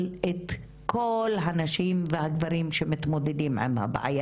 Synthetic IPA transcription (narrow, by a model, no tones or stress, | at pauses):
let̪ | kʰo̞lɦanaʃimvehaɡvaɾimʃemit̪mo̞d̪ed̪imʕḭmha̰b̰ʕa̰ja